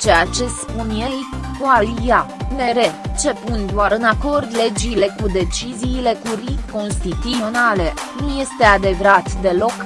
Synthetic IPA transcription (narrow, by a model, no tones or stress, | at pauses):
t͡ʃe̞jat͡ʃe̞spunje̞jkoalijane̞ɾe̞t͡ʃe̞pund̪oaɾɨnako̞rd̪le̞d͡ʒile̞kud̪e̞t͡ʃiziːle̞kuriko̞nst̪it̪uo̞nale̞nuje̞st̪e̞ad̪e̞vɾat̪d̪e̞lo̞k